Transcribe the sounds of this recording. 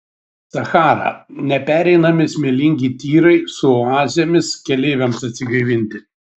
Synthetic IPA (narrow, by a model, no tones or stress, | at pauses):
sɐxɑːɾɐ̰nʲɛpʲæːɾʲɛɪnɐmʲɪsʲmʲelʲɪŋʲɡʲiːt̪ʲiːɾɐɪsʊoɑːzʲɪjomʲɪskʲɛlʲeːʋʲɛmsɐt̪ʲsʲɪɡɐɪʋʲɪnʲt̪ʲɪ